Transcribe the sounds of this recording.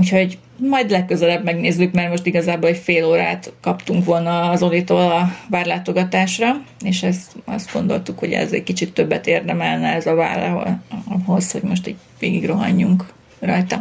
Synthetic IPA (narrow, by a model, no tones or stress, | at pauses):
uːcho̞ɟ | mɒjd̪lɛkːø̞zɛlɛbmɛɡneːzːykmɛrmo̞ʃt̪iɡɒzaːbolɛcfeːloːɾa̰ːt̪kɒpt̪uŋkʋo̞lnɒːzo̞lit̪olɒvaːrlaːt̪o̞ɡɒt̪aːʃrɒeːʃɛsɒ̰zd̪̚ɡ̥o̞̰nd̪o̞̰lt̪ukho̞ɟɛ̰zɛ̰ckit͡ʃit̪ːø̞bːɛt̪eːrd̪ɛmɛlnɛɛzɒva̰ːr̰ | ɦo̞sho̞ɟmo̞ʃt̪ḭːɟ | ʋḛːɡiɡro̞ɦɒ̰ɲːuŋk | rɒjt̪ɒ